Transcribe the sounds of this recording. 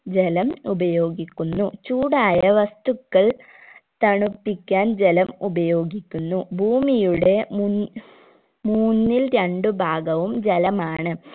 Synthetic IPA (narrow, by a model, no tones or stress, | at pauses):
d͡ʑelɐmubɐjo̞ːɡikʲːunːut͡ɕuːɽaːjɐʋɐst̪ukːɐɭ | t̪ɐɳupːikʲːaːnd͡ʑelɐmubɐjo̞ːɡikʲːunːubʱuːmijuɽe̞mun | muːnːilɾɐɳɖɨbʱaːɡɐʋumd͡ʑelɐmaːɳɨ